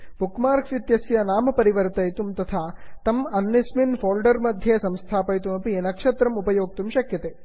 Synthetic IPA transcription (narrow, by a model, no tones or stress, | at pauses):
bukmaːɾksit̪jɐsjɐnaːmɐpɐɾiʋɐɾt̪ɐjt̪umt̪ɐt̪ʰaːt̪ɐmɐnːisminfoːlɖɐɾmɐd̪ʱjesɐmst̪ʰaːpɐjt̪umɐpinɐkʃɐt̪ɾɐmupɐjoːɡ̚t̪umʃɐkjɐt̪eː